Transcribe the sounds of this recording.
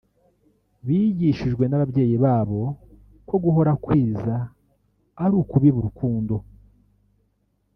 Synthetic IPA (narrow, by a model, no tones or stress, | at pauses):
βiːɟiʃiʒɡwe̞naβabɟe̞ːjiβaːβo̞ | ko̞ɡuɦo̞ɾakwiːza | aɾuːkuβiβuɾukuːndo̞